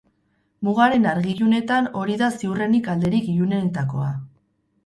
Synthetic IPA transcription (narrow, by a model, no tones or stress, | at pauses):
muɣaɾe̞naɾɣiʎune̞t̪ano̞ɾiðasiwre̞nikald̪e̞ɾikiʎunet̪ako̞̰a